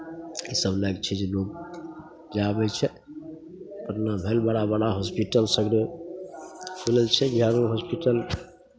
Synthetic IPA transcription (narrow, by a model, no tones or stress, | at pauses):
isəblaɡt͡ʃʰɛd͡ʒenok̚ | d͡ʒabɛt͡ʃʰɛ | pəɾnəbʱelbəɽabəɽaɦospiʈəlsəɡɾe | pʰuləlt͡ʃʰɛɡʱjanuɦospiʈəl